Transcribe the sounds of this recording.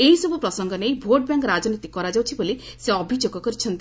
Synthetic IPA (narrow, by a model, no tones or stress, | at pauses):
eɦisɔbʱupɾɔsɔŋɡɔnejbʱoʈ̚baŋkɾad͡ʒɔnit̪ikɔɾad͡ʒawt͡ʃʰiboli | seɔbʱid͡ʒoɡɔkɔɾit͡ʃʰɔnt̪